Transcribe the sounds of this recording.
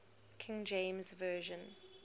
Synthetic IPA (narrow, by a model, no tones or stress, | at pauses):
kʰɪ̃ŋd͡ʒẽɪ̃mzvɜːʒə̃n